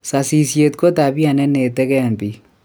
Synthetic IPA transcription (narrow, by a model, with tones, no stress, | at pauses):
sa˨si˨sje˨t̪ko˦t̪a˨bi˦a˨nɛ˦ne˨t̪ɛ˦kɛ˦˨mpi˨